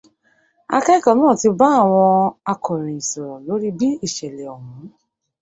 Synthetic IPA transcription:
a̰˧kɛ˦ka˨mɔ̃ː˦˨ti˧ba˦a˦˨w̃ɔ̃˧a˧kʰɔ˨ɾ̃ĩ˨ĩ˨sɔ˨ɾɔ̃˨lo˨˦ɾi˦bi˦i˦˨ʃɛ˨lɛ˨ɔ˨hũ˨˦

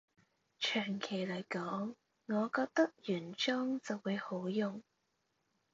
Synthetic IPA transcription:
t͡ʃʰœː˨˩ŋkʰe˨˩jlɐ˨˩jkɔː˨˥ŋː | ɔː˨˧kɔː˧k̚t̪ɐ˥k̚jyː˨˩nt͡ʃɔː˥ŋt͡sɐ˨wːuː˨˧jho˨˥wjʊ˨˩ŋ

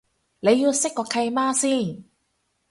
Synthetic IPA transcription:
lɛ˨˥ju˧se˦˥kːɔː˨˧˩kʰa˧jmaː˥˩ksi˧˥˩

